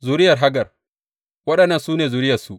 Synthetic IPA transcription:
zu˨ɾɪ˦jɐ˨rɦa˦ɡɐ˨r | wɐ˦ɗɐ˨nːɐ˨nsuː˦neː˨zu˨ɾɪ˦jɐ˨rsu˦

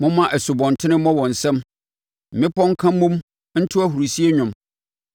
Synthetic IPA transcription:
mʊ̃˦mã˦ʔæ˨su˨bɔ̃˨n˨tʰɪ˦nɪ̃˦mɔ̃˦wɔ̃˨n̩˨sɛ̃˦m | m̩˨mɪ̃˦pʰɔ̃˦ŋ̩˦kʰã˦mũ˦m | n̩˦tʰʊ˦æ˦ɦu˨ɾu˨si˦e˦ɲᶣʊ̃˨m

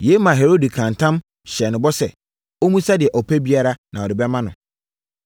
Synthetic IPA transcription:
je˦mã˨ɦe˨ɾo˦di˨kʰã˨ntʰã˦m | ɕɛ˨nʊ̃˨bɔ˦sɛ̰˨ | o˦mũ˦sa˦dɪ˨ɛ˨ʔɔ˨pʰæ˦bi˦a˦ɾa˦nã˨ɔ˨dɪ˨bɛ˦mã˦nʊ̃˨

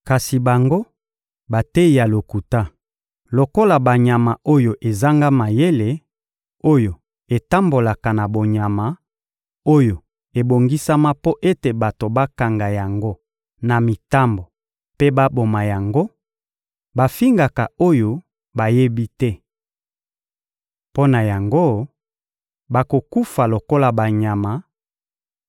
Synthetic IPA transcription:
ka˨si˨ba˨ŋɡo˦ | ba˨te˦i˨ja˨lo˨ku˨ta˦ | lo˨ko˦la˨ba˨ɲa˨ma˨o˦jo˨ʔe˨za˦ŋɡa˦ma˨je˦le˨ | o˦jo˨ | e˨ta˦mbo˨la˨ka˨na˨bo˨ɲa˨ma˨ | o˦jo˨ | e˨bo˨ŋɡi˦sa˦ma˦po˦ʔe˦te˨ba˨to˨ba˦ka˨ŋɡa˨ja˨ŋɡo˦ | na˨mi˨ta˦mbo˨ | pe˦ba˦bo˨ma˨ja˨ŋɡo˦ | ba˨fi˦ŋɡa˨ka˨o˦jo˦ | ba˨je˦bi˦tɛ˦ | po˦na˨ja˨ŋɡo˦ | ba˨ko˨ku˦fa˨lo˨ko˦la˨ba˨ɲa˨ma˨

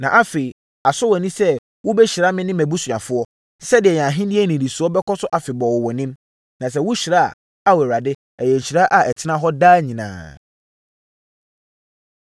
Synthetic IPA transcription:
nã˨ʔa˦fe˨i˨ | a˨sʊ˦wɛ˨nĩ˦sɛ˦ | wʊ˦bɛ˦ɕi˨ɾa˦mɪ̃˦nɪ̃˦mæ̃˨bu˦sʊ̃˨ã˨fʊ˦ɔ˦ | sɛ˦dɪ˨ɛ˨ɲã˨ɦɪ̃˦dɪ˦ɛ˦nĩ˨ɾi˨su˨˦ɔ˦bɛ˦kʰɔ˦sʊ˦ʔa˨fɪ˨bɔ˨wʊ˨wɔ˨nɪ̃˦m | nã˨s̬ɛ˦wʊ˦ɕi˨ɾa˦˨ | a˨wɛ˨wa˨dɪ˦ | ɛ˨jɛ˨ɲ̩˨ɕi˨ɾa˦ʔa˨ɛ˨tʰɪ˦nã˦ɦɔ˦daː˦ɲĩ˨nã̰ː˨

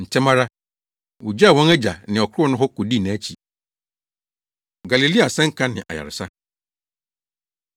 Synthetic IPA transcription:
n̩˨tʰɛ˦mã˦ɾa˦ | wʊ˨d͡ʑa˦˨wɔ̃˦næ˦d͡ʑa˨nɪ̃˨ɔ˨kʰʊ˦ɾʊ˦ɔ˦nʊ̃˦ɦɔ˦kʰɔ˨di˦˨nã˨˦t͡ɕʰi˨ | ɡa˨li˨li˦a˨sɛ̃˦ŋ̩˦kʰã˦nɪ̃˨ʔa̰˨ja̰˨ɾɪ˨sa˦

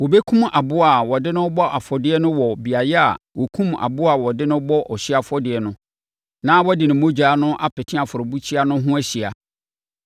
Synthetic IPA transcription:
wɔ˨be˦kʰũ˦ma˨bʊ˦a˨wɔ˨dɪ˦nʊ̃˦bɔ˦ʔa˨fɔ˨dɪ˦ɛ˦nʊ̃˦wɔ˨bi˨a˨jɛ˦a̰˨ | wɔ˨kʰũ˦ma̰˨bʊ˦a˨wɔ˨dɪ˦nʊ̃˦bɔ˦ʔɔ˨ɕi˦a˨fɔ˦dɪ˨ɛ˨nʊ̃˦ | nã˦wɔ˦dɪ˨nʊ̃˨˦mõ˦d͡ʑᶣaː˨˦nʊ̃˦ʔa˦pɪ˨tʰɪ̃˦a˨fʊ˨ɾɔ˨bu˦t͡ɕʰi˦a˦nʊ̃˦ɦʊ̃˦æ˦ɕi˨a˨

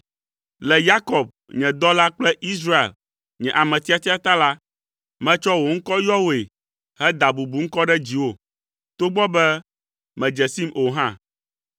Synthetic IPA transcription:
lɛ˨ja˦kɔ˨b̚ | ɲɛ̃˨d̪ɔ˦la˦k͡plɛ˦ʔi˦s̬ɾa˦ḛ˨l | ɲɛ̃˨ʔa˨mɛ̃˨t̪i˦a˨t̪i˦a˦t̪a˦la˦ | mɛ̃˦t͡ʃɔ˦wo˨ŋ̩˦kɔ˦jɔ˦wo˨e˨ | hɛ˦d̪a˨bu˨bu˨ŋ̩˦kɔ˦ɖɛ˦d͡ʑi˨wo˦˨ | t̪o˦ɡ͡bɔ˦bɛ˦ | mɛ̃˨d͡ʒɛ˨si˦mo˨ɦã˦

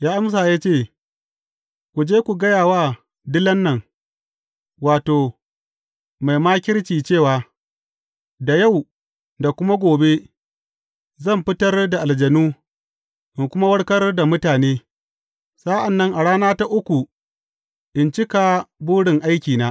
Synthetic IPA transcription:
jaː˦ʔa˦ms̬aː˨jaː˦t͡ʃeː˦˨ | kʷu˨d͡ʒeː˦kʷu˨ɡɐ˦jaː˨waː˦ | dɪ˦lɐ˦nːɐ˨ŋ | waː˨toː˨ | ma˨jmaː˦kʲɪ˦ɽt͡ʃiː˨t͡ʃeː˦˨waː˨ | da˨ja˦˨w | da˨kʷʊ˦ma˦ɡʷoː˨be˦ | zɐ˦˨mɸɪ˦tɐ˦rda˨ʔa˨ld͡ʒɐ˨nuː˦ | ʔɪ˨ŋkʷʊ˦ma˦wɐ˦ɽkɐ˦rda˨mʊ˦taː˨neː˦ | sa˦ʔa˨nːɐ˦ŋʔa˨ɽaː˦naː˦ta˦ʔʊ˦kʷu˨ | ʔɪ˨nt͡ʃɪ˦ka˨buː˦ɽɪ˨ŋʔa˦jkʲiː˨naː˦

